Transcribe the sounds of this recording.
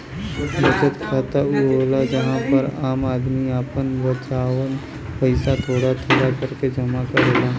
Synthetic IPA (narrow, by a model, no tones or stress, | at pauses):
bət͡ʃət̪kʰaːt̪auɦoːlad͡ʒɐɦãpəɾaːmaːd̪miaːpənbət͡ʃaːwən | pəɪsat̪ʰoːɽat̪ʰeːɽakɐɾked͡ʒɐmakaɾela